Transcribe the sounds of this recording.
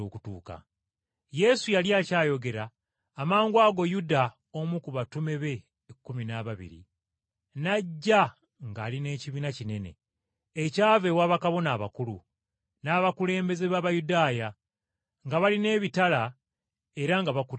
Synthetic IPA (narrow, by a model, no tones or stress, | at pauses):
oːku̥tuːka̰ | je̞sujaljacaːjo̞ɡe̞ɾaː | maːŋɡwaːɡo̞juda | omukuβatume̞βe̞ | kːuminaβaβḭɾḭ | naɟːa | ŋɡaːline̞ːciβiːnacine̞ne̞̰ | ecaːve̞waːβakaβo̞naːβa̰kulu | naβakule̞ːmbeze̞βaβajudaːja | ŋɡaβaline̞ːβitala | e̞ɾaŋɡaβaku